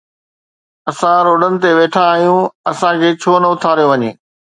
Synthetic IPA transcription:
ɐsãɾoːɖənɪ̆t̪eʋeːʈʰãːɦijũɐsãkʰeːt͡ɕʰoːnɐʊt̪ʰaːɾijoʋɐɲeː

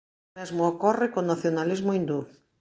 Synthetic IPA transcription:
ezmookɔrɪkonaθjonalizmoind̪u

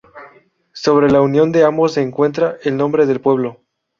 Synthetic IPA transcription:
so̞β̞ɾe̞launjo̞nd̪eambo̞se̞ːŋkwe̞nt̪ɾaʔelnõ̞mbɾe̞ðe̞lpwe̞β̞lo̞

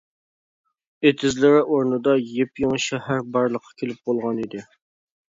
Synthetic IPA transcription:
et̪ʰɪzlɪɾɪʔoɾnɨd̪ɑjepjeŋʃɛhæɾbɑɾlˠəqʰːɑ̥kʲʰelɪp̚bolˠʁɑnid̪ɪ

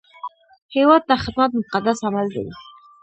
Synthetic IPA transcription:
hewɑd̪̚ːaxɪd̪mat̪̚mʊqad̪asamald̪a̰wi

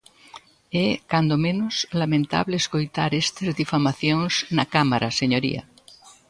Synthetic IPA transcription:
ɛkand̪omẽnoslamẽnt̪a̰βleeskojt̪aɾest̪ezðifamaθjoŋsnakamaɾaseɲoɾḭa̰

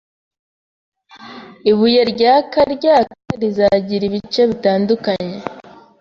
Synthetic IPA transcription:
iβujeɾɟaːkaɾɟaːkaɾizaɟiɾiβit͡ʃe̞βitaːndukaɲe̞

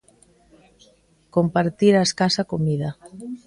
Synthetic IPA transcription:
kompaɾt̪iɾaeskasakomiða

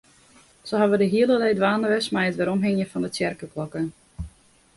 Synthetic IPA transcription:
səɦɑʋədəɦiəlˠəlɛjdʋaːnəʋɛsmɛjətʋɛɾɔmɦɛŋjəfɔndət͡sjɛrkəklɔkə

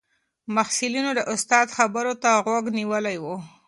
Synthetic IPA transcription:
mahsilinod̪əʔʊst̪ɑd̪xabəɾot̪aɣwaɡniwəlajwu

